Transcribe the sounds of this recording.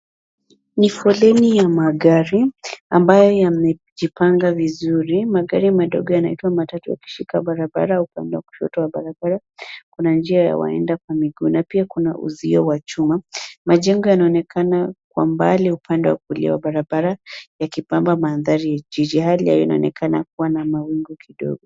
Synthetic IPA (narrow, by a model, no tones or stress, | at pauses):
nifɔlɛnijamaɠaɾiambajɔjamɛʄipaŋɡavizuɾimaɠaɾimaɗɔɡɔjanaitwamatatuja̰ki̥ʃikaɓaɾaɓa̰ɾaupandɛwaku̥ʃɔ̰tɔwaɓaɾaɓaɾa | kunand͡ʒiaja̰wa̰ɛ̰ndak̚wamiɡuːnapiakuna̰ʔṵziɔwat͡ʃumamaʄɛŋɡɔjanaɔnɛkanak̚wa̰mbaliupʰandɛwakulḭwaɓaɾaɓaɾajakipambamaːnðaɾijad͡ʒid͡ʒihalia̰jina̰ɔ̰nɛ̰kʰana̰k̚uwanamawiŋɡɔkʰiɗɔ̰ɡɔ